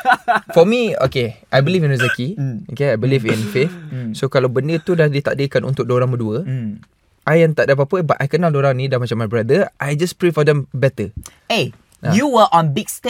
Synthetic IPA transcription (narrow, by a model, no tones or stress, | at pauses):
fɔmio̰keʔajbilifĩnuzəkiokeajbilifĩnfefsokalawbəndət̪udadit̪a̰ʔdəkanʔṵnt̪ʊk̚doɾaŋbəduə | ʔajɛ̃nt̪aʔdap̬apəbaʔajkənaldoɾãŋnĩdãnmat͡ʃamːajbɾadəʔajd͡ʒaspɹefɔdɛ̃mbɛt̪ə | e | juwəʔɔ̃nbiɡst